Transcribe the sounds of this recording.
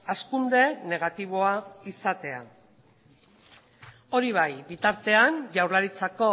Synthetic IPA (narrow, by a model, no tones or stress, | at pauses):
askund̪e̞ne̞ɣ̞at̪iβ̞o̞aisat̪e̞a̰ | o̞ɾiβ̞ajbit̪aɾt̪e̞anʝawɾlaɾit͡sako̞